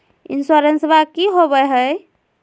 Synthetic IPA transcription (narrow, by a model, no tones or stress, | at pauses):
ḭnsoɾensbakiɦobɛɦəj